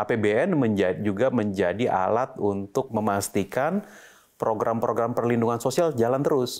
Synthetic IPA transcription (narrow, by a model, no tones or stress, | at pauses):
apebeɛnməɲd͡ʒad͡ʒuɡaməɲd͡ʒadiʔa̰lat̪̚unt̪ʊk̚məmast̪ikan | pɾoɡɾʔampɾʔoɡɾampərlinduŋansosiald͡ʒalant̪əɾʊs